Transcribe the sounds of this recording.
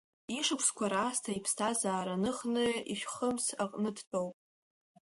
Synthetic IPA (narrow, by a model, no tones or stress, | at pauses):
iʂɨkʷʰskʷʰaɾaːstʰaipʰstʰazaːɾanɨχnɨḭʃʷᶣχəmsaqʼnɨdʰt͡pʼowpʼ